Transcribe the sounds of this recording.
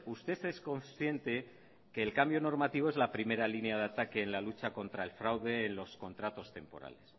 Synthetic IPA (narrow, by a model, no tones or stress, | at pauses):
ust̪e̞θesko̞nsθje̞nt̪e̞ | ke̞ːlkambjo̞no̞ɾmat̪iβ̞o̞e̞zlapɾime̞ɾalinjað̞at̪ake̞ːnlalut͡ʃako̞nt̪ɾae̞lfɾawðe̞ːnlo̞sko̞nt̪ɾat̪o̞st̪e̞mpo̞̰ɾa̰le̞s